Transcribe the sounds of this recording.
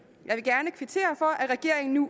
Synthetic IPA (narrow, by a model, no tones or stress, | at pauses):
jʔɑ̈ɪʋe̝lɡ̥æɐnəkʰʋit͡sʰe̝̰ːɐfɒ̽ʔæʁɛɡ̥e̝ɐ̰eŋn̩nu